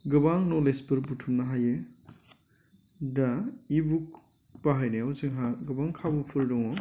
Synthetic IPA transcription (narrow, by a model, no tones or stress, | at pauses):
ɡɯbaŋnolespɯɾbutʰumnaɦaje | daibuk̚ | paɦajneosɯŋɦaɡɯbaŋkʰabupʰɯɾdɔŋɔ